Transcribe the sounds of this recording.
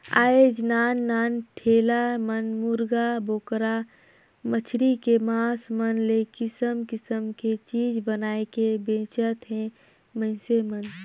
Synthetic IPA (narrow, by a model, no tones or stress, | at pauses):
a̰ːed͡ʒnaːnːaːnʈʰeːlamənmʊɾɡaboːkɾa | mət͡ʃʰɾikemaːsmənlekɪsəmkɪsəmket͡ʃiːd͡ʒbənaːekebẽːt͡ʃət̪ɦɛ̃ | mə̃ɪ̃semən